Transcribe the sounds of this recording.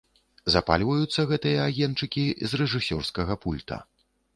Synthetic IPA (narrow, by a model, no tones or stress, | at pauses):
zapa̰lʲvɐjut̪sːɐɣɛt̪ɨjɐaɣʲɛnt͡ʂɨkʲizrɛʐɨsʲɔrskɐɣɐpulʲt̪ʰɐ̰